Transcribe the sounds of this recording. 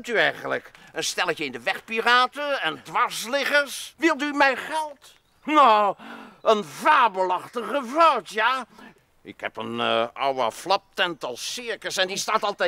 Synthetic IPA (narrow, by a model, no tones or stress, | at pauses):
tyɛjχənləkənstɛləcəɪndəʋɛχpiraːtəɛndʋɑɹslɪχəɹsʋɪlˠtymɛjχɛlˠt | no | ənvaːɹbəlɑχtəχəvɔwtja | ɪkhɛ̰pə̰nɔ̰wə̰flɑp̚tɛntɑlˠsɪɹkəsɛndistaːtɑlˠtɛ